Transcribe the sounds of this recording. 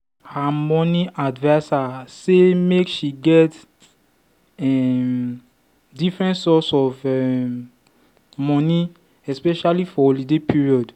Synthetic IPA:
hamɔ̃niʔadvaɪsasemekʃiɡɛt | ɛm | difɹɛ̃ntsɔsɔfɛ | mɔ̃ni | ɛspɛʃalifɔolidepʰiɹiɔd

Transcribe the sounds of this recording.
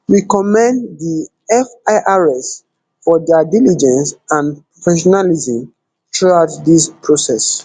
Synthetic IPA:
wikɔmɛ̃ndði | ɛfaʔaɹɛs | fɔdɛdilid͡ʒɛ̃nsãnpɹɔfɛʃɔnalizɔ̃m | tɹuatdispʰɹosɛs

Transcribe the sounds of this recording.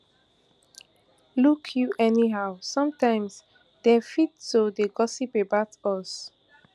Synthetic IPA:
lukʰjuʔɛniɦaʊsɔ̃mtãɪ̃ms | d̥ɛfittodeɡɔsipebaʊtɔs

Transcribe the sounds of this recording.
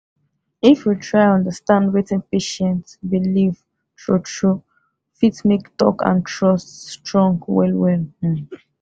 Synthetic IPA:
ifjutʰɹaɪ̃nɔ̃ndəstãndwetɛ̃npeʃɛ̃ntsbiliv | ʃɔʃo | fitsmektɔ̰kã̰ntʰɹɔststɹɔ̃ŋɡwɛ̰lwɛl

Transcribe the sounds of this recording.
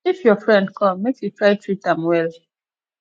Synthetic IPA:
ifjɔfɹɛ̃nd̚kʰɔ̃mːekjutɹaɪtʰɹitãmwɛl

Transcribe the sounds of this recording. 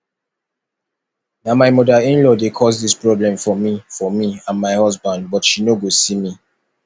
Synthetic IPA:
namaɪmɔdaĩnlɔdekʰɔsdispɹɔblɛ̃mfɔmifɔmiãnmaɪhɔsbãnd̚bɔtʃinoɡosimi

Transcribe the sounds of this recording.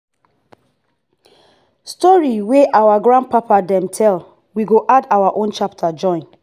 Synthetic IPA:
stɔɹiweʔawaɡɹãnd̚papadɛ̃mtʰɛl | wiɡoʔadawaʔõnt͡ʃap̚tʰad͡ʒɔ̃ɪ̃n

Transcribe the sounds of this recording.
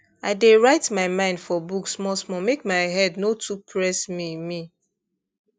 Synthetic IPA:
aɪdeɹaɪtmaɪmãɪ̃ndfɔbuksmɔsmɔmekmaɪɦɛdnotʰupʰɹɛsmimi

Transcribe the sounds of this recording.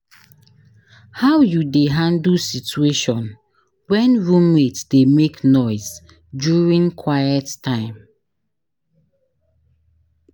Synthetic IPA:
hawjudeɦãndusitueʃɔ̃n | wɛ̃nɹumetsdemeknɔɪz | djuɹĩŋkʰwajɛttʰãɪ̃m

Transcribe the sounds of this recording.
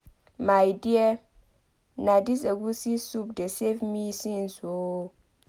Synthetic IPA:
majdie | nadis̬eɡusisup̚desevmisĩnso

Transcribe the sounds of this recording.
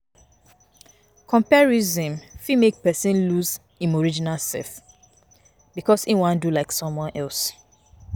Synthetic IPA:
kʰɔ̃mpɛɹizĩmfimek̚pɛsĩnluz | ĩmoɹid͡ʒinalsɛ̰f | bikɔsĩwãndulaɪksɔ̃mwɔ̃nʔɛls

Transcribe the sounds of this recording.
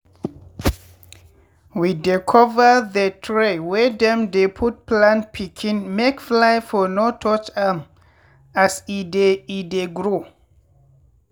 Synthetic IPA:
widikʰɔvəðətʰɹewɛdɛ̃mdepʰut̚plãntpʰikʰĩnmekflajfɔnotʰɔt͡ʃam | asideideɡɹo

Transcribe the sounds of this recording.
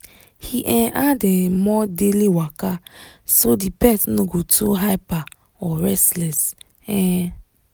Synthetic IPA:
hiʔɛ̃ʔadɛmɔdeliwakasodipɛsnoɡotʰuɦaɪpa | ɔɾɛslɛs | ɛ̃

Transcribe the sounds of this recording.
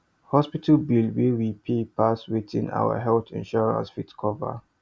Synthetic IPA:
hɔspitʰalbilwiwipʰepʰaswiðḭ̃na̰wə̰ɦɛlθḭ̃nʃɔɹã̰nsfitkʰɔvə̰

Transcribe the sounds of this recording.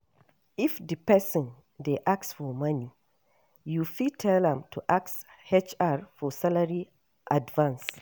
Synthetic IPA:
ifdipɛsɔ̃n | deʔaksfɔmani | jufidtʰɛlɛ̃mtʰuʔaks | het͡ʃaɹfɔsalaɹi | ʔadvãns

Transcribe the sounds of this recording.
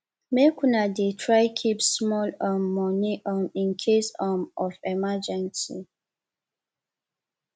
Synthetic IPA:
mekʰunadetʰɹaɪkʰipsmɔlamːɔniʔamĩnkʰesamɔfɛmad͡ʒɛ̃nsḭ

